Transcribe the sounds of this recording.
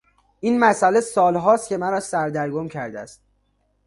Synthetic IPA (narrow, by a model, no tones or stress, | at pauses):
iːnmæsælesɒːlɦɒːst̪̚cʰe̞mæɾɒːsæɾd̪æɾɡomcʰæɾd̪eæ̰st̪̚